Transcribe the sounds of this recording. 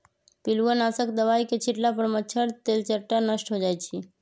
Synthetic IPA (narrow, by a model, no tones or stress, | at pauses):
piluənasəkd̪əʋajket͡ʃʰiʈlapəɾmət͡ʃʰʃʰəɽt̪elt͡ʃəɾʈanəʃʈɦod͡ʒajt͡ʃʰe